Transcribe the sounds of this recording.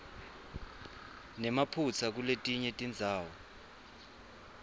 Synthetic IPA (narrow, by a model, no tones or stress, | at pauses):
nɛmapʰut͡sʰak̬uletʼiɲɛtʼind͡zʱaːwɔ